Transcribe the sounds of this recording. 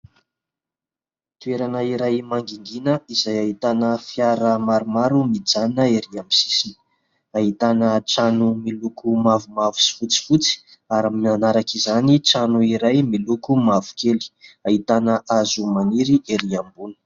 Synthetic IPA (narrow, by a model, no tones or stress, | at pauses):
t̪ueɾanəiɾajmaŋɡiŋɡinəizajait̪anəfiaɾəmaɾumaɾumid͡zanəeɾiambi̥si̥sini̥ | aɦit̪anəʈ͡ʂanumilukumavumavu̥si̥fut͡si̥fut͡si̥ | aɾaminanaɾakizanit͡sanuiɾajmilukumavu̥kʰeli̥ait̪anəʔazumaniɾiʔeɾiambunə̥